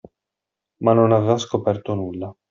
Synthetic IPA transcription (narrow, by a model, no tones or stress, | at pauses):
manːonavevaskopɛrt̪onulːa